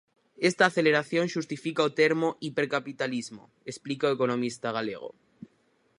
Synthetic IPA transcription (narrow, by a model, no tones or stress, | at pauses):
e̞st̪aːθe̞le̞ɾaθjõ̞nʃust̪ifikaot̪e̞ɾmoʔipe̞ɾkapit̪alizmo̰ | esplikaoeko̞nõ̞mist̪aɣ̞ale̞̰ɣ̞o̰